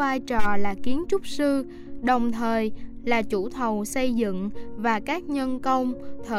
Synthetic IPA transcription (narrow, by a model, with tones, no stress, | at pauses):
vaː˧jt͡ɕɔ˨˩laː˨˩ki˨˦ənt͡ɕʊ˦˥k͡p̚sɨ˧ | ɗə˨˩wŋ͡mt̪ʰəː˨˩jlaː˨˩t͡ɕu˧˩t̪ʰə˨˩wsə˧jzɨ̰˧˨ŋvaː˨˩kaː˦˥k̚ɲə˧nkə˧wŋ͡mt̪ʰəː˧˨